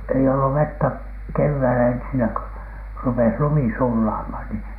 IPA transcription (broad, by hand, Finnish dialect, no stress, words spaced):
ei olːu ʋetːæ keʋːæilæ ensinæ kø rupes lumi sulːɑːmhɑn ni